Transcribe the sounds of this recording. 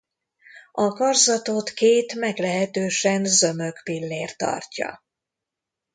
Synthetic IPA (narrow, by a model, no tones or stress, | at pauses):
ʔɒkɒrzɒt̪ot̪keːt̪mɛɡlɛɦɛt̪øːʃɛnzø̞møkpilːeːrt̪ɒ̰rcɒ̰